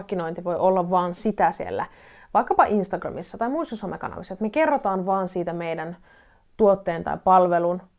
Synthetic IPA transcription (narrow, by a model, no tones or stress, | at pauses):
rkːino̞int̪iʋo̞jʔolːɑʋʋɑːnsit̪æsiḛlːæ̰ʋɑikːɑpɑʔinst̪ɑɡrɑ̰misːɑt̪ɑjmuisːɑsomekɑ̰nɑ̰ʋisːɑet̪mekerːot̪ɑːnʋɑːnsiːt̪æmejdæn | t̪uot̪ːeːnt̪ɑ̰ipɑlʋelun